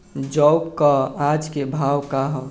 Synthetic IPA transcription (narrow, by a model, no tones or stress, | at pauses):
d͡ʒɔwkkɔad͡ʒkebʱawkaɦɔ